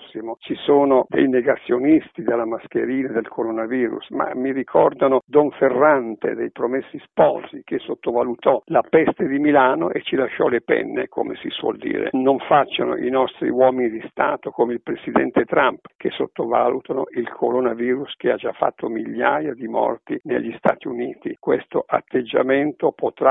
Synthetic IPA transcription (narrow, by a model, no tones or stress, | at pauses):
sːimot͡ʃisoːnod̪ḛjneɡat̪sːjonist̪id̪elːamask̟eɾiːnad̪elkʰoɾonaviːɾṵsma̰miɾikʰɔrd̪anod̪ɔɱferːant̪ḛd̪ejpɾomesːispɔlsik̟esːot̪ːovalut̪ɔlapɛst̪ed̪imilaːno̰ʔet͡ʃːilaʃːɔlepɛ̰nːḛkʰo̰mesḭswɔ̰ld̪ḭːɾḛnoɱfat͡ʃːano̰ʔinɔst̪ɾḭwɔːminid̪ist̪aːt̪okomeilpɾesid̪ɛnt̪et̪ɾampkʰesːot̪ːovaːlut̪anoʔilkʰoɾonaviːɾusk̟ead͡ʒa̰fːa̰t̪ʰːomiʎːajad̪imɔ̰rt̪inḛʎːist̪a̰ːt̪iuniːt̪ikwest̪oʔa̰t̪ːed͡ʒːa̰ment̪opot̪ɾa